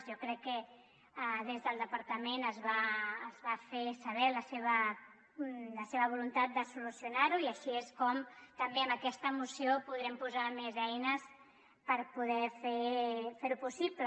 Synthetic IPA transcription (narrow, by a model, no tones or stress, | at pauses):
zjɔkɾɛkːə | ðezðəlˠd̪əpəɾt̪əmenəzβaːzβafesəβ̞ɛləseβ̞ə | ləseβəβ̞ulunt̪at̪̚d̪əsulusjunaɾuiəʃieskɔmt̪əmbeəmbəkɛst̪əmusiopuðɾɛmpuzamezɛjnəs | pəɾpuðɛfefeɾupusiplə